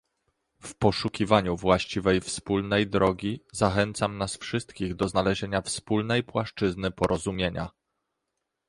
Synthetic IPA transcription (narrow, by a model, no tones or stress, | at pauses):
fpɔʂukʲivaɲuvwaɕt͡ɕivɛjfspulnɛjd̪ɾɔɡʲizaxɛnt̪samnasfʂɘst̪kʲiɣd̪ɔznalɛʑeɲafspulnɛjpwaʂt͡ʂɘznɘpɔɾɔzumʲjeɲa̰